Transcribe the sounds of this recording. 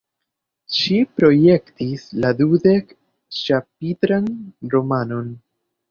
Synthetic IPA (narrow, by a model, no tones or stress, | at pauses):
ʃipɾo̞je̞ktisladude̞k | t͡ʃap̚itɾanɾo̞mano̞n